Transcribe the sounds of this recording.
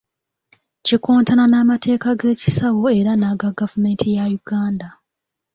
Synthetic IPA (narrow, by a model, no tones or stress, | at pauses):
cikoːntʰananaːmatʰe̞ːkaɡe̞ːci̥sawo̞eɾanaːɡaɡavume̞ːntʰijajuɡ̥aːnda